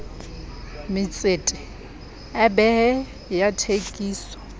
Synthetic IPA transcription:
mɪt͡sʼeːtʼɪ | ɛbɛɛ | jatʰekʼiːsɔ̥

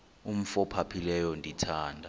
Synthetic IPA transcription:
um̩fɔpʰapʰilɛjɔndʱitʰaːndʱa

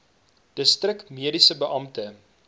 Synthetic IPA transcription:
d̥əstrəkmiədisəbəʔɐmtə

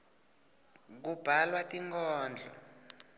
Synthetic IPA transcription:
k̬ub̥ʱalwatiŋkʰɔːnd͡ɮʱɔ̰

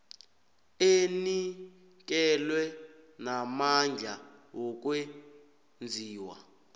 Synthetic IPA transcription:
eni | k̬ɛlwɛnamand͡ɮʱawɔk̬we | nd͡zʱiːwa̰

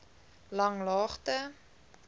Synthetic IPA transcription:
lɐŋlɑːχtə

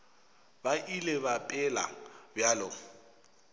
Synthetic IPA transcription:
baʔilebapʼɪla̰bjalʊ

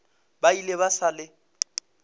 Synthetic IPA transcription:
baileβasalɪ

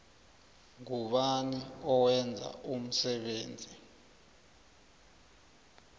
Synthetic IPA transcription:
ŋuɓaniɔwɛnd͡zʱa̰um̩sɛɓeːnd͡zʱi

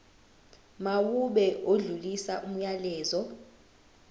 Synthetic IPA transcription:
mawuɓɛʔoɮulisaʔum̩ɲalɛːzɔ

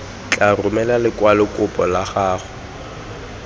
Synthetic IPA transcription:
t͡ɬʼarʊmɛlalɪkʼwalɪkʼʊpʼɔlaχaːχʊ

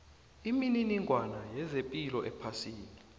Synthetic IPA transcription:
imininiŋʱwanajɛzepʼilɔʔɛpʰasiːni

